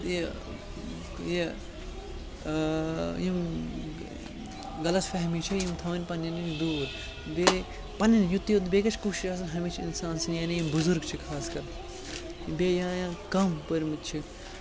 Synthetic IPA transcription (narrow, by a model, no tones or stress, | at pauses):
je | je | jim | ɡɐlɐt̪fɛɦmit͡ʃʰijimt̪ʰɐʋɐnʲpɐnːɐnit͡ʃʰd̪uːɾ | be | pɐnʲːɐnjut̪ːjot̪beːkɐt͡ʃʰkuːʃiʃas̬ɐnɦɐmit͡ʃʰḭnsaːnsinjaːnijimbuzuɾɡt͡ʃʰikʰaːskɐɾ | beːjãːjãːkɐmpɐɾmit̪t͡ʃʰi